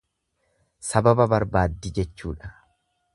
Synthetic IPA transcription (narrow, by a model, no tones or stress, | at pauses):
sɐbɐbɐbɐɾbaːd̪ːɪd͡ʒɛt͡ʃːṵːᶑɐ̥